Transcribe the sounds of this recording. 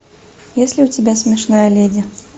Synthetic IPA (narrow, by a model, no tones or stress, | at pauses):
jesʲlʲɪʊtʲɪbʲasʲmʲɪʂnajɐlʲedʲɪ